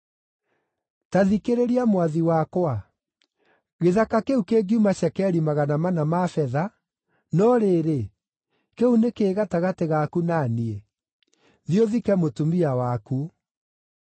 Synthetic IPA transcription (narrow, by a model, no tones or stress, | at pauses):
taðikeɾeɾiamwaðiwakwa | ɣeðakakeukeɡiumaɕɛkɛɾimaɣanamanamafɛða | nɔɾeːɾe | keunekeːɣataɣateɣakunanie | ðioðikɛmotumiawaku